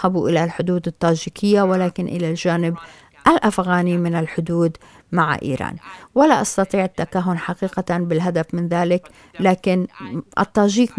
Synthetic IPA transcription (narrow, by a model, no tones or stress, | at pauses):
habuʔɪlalħʊd̪uːd̪ɪt̪ːaːʒiːkʰɪjːawɪlaːkɪnʔɪ̰lalʒaːnɪb | ʔalʔafɣaːnimɪnɪlħʊd̪uːd̪ | maʕ̰ʔḭːɾa̰ːnwalaʔɑst̪ɑt̪ˤiːʕɪt̪ːakaːɦːʊnħaqiːqabɪlɦad̪afmɪnðaːlɪk | laːkɪnʔɪ̰t̪ːaːʒiːk